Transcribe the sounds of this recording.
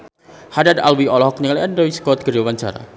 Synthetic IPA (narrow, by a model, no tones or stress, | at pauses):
hadad̪a̰lwiɔlɔɦɔk̚ɲəŋliʔəndɔiskɔt̪̚ɡ̥əɾawaɲt͡ʃa̰ɾa̰